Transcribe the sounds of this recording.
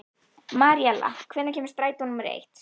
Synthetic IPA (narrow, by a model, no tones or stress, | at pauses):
maɾjɛla̰kʰvɛnacʰɛːmɪ̥st̪ɾaːjt̪unʏmɾḛjht̪